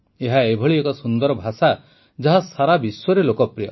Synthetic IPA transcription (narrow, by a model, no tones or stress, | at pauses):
eɦaebʱɔɭiekɔsund̪ɔɾɔbʱasa | d͡ʒaɦasaɾabiswɔɾelokɔpɾijɔ